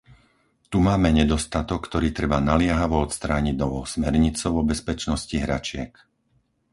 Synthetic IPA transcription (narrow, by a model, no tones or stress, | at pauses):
t̪umaːmɛɲɛd̪ɔst̪at̪ɔkːt̪ɔɾiːt̪ɾɛbanalɪɛɦaʋɔɔt̪st̪ɾaːɲiɟnɔʋɔʊsmɛɾɲit͡sɔʊɔbɛspɛt͡ʃnɔsciɦɾat͡ʃɪɛk